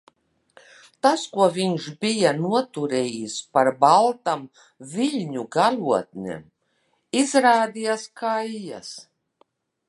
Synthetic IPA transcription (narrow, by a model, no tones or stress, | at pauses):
t̪askuɔviɲʃbijanuɔt̪uɾɛːjispaɾbalˠt̪am | viʎʲɲuɡaluɔt̪̚nʲḛm | izɾaːd̪ijaskajːa̰s